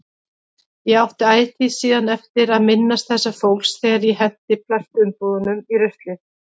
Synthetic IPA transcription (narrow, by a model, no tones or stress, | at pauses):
jɛɣawht̪ɪaːjt̪isiːðanɛft̪ɪɾaðmɪnːast̪̚θɛsːafowlsθɛːɣaɾjɛɦɛnt̪ɪpʰlar̥t̪ʏnpɔːðʏnʏmirʏht̪lɪ